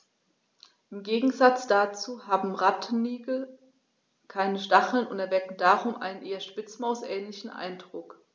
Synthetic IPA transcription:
ʔɪmɡeːɡŋ̩zat͡sd̥at͡suːhaːbm̩ʁatʰnnːiːɡl̩ | kʰaɪnəʃtaχl̩nʊntɛɐvɛkŋ̩daːʁʊmʔa̰ɪnənʔeːɐʃpɪt͡smaʊsʔɛːnlɪçn̩ʔa̰ɪndʁʊk

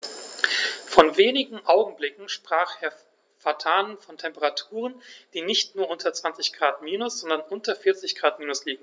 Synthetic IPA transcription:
fɔnveːnɪɡŋ̩ʔaʊɡŋ̩blɪkŋ̩ʃpʁ̥aːχʔeːɐ | fatʰaːnənfɔntʰɛmpəʁatʰuːʁənd̥iːnɪçtnuːɐʔʊntɐt͡sv̥ant͡sɪçɡ̥ʁaːtmiːnʊsz̥ɔndɐnʔʊntɐfɪɐt͡sɪçɡ̥ʁaːtmiːnʊsliːɡŋ̩

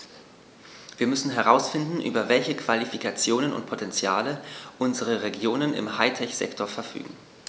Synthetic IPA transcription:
viːɐmʏsn̩ɦɛʁ̞aʊsfɪndn̩ʔy̰ːbɐvɛlçəkv̥alifikʰat͡sjoːnənʊ̰nt̚pʰotʰɛnt͡sjaːləʔʊnzəʁ̞əʁeɡjoːnənɪ̰mhaɪtʰɛçz̥ɛ̰ktʰoɐfɛɐfy̰ːɡŋ̩

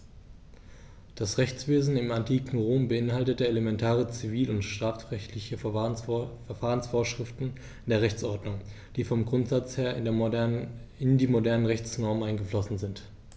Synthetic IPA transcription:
d̥asʁɛçt͡sv̥eːzn̩ɪmantʰiːkŋ̩ʁoːmbəɪnɦaltətəelemɛntʰaːʁ̞ət͡siviːlʊntʃtʁ̥aːfɛçtʰlɪçə | ɛɐfaːʁənsfoːɐʃʁ̥ɪftn̩ | ndeːɐʁɛçt͡sʔɔɐdnʊŋ | d̥iːfɔmɡʁʊntz̥at͡sheːɐɪ | ɪndiːmodɛɐnənʁɛçt͡snɔɐmʔaɪnɡəflɔsn̩zɪnt

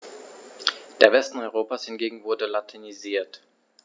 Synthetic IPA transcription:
d̥eːɐvɛstn̩ɔʏʁoːpaːshɪnɡeːɡŋ̩vʊɐdəlatʰeniziːɐt

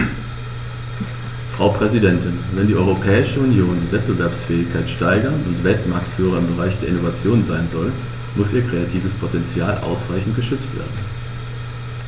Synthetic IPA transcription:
fʁ̥aʊpʁ̥ɛzidɛntɪnvɛndiːʔɔʏʁopʰɛːɪʃəunjoːndiːvɛt̚b̥əvɛɐpsfɛːɪçkʰaɪtʃtaɪɡɐnʊntv̥ɛltmaɐktfyːʁ̞ɐɪmbəʁaɪçd̥eːɐɪnovat͡sjoːnzaɪnzɔl | mʊsʔiːɐkʁ̥eatʰiːvəspʰotɛnt͡sjaːlʔa̰ʊsʁaɪçn̩tɡ̥əʃʏt͡stv̥ḛːɐdn̩

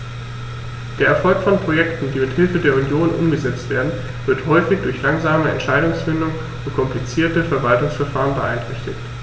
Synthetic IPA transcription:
d̥eːɐɛɐfɔlkfɔnpʁ̥ojɛktn̩d̥iːmɪthɪlfədeːɐunjoːnʔʊ̰mɡəzɛt͡stv̥eːɐdn̩ | v̥ɪɐthɔʏfɪçd̥ʊɐçlaŋzaːməɛ̰ntʃaɪɾʊŋsfɪndʊŋ | ʊnkʰɔmplit͡siːɐtəfɛɐvaltʊŋsfɛɐfaːʁənbəʔa̰ɪntʁ̥ɛçtɪçt

